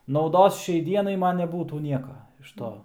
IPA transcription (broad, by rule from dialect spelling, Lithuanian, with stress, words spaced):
nɐʊˈdoːs ˈʃʲɛɪ ˈdʲiɛnɐɪ ˈmɐn nʲɛˈbuːtuː ˈnʲiɛkɐ ɪʃ ˈtoː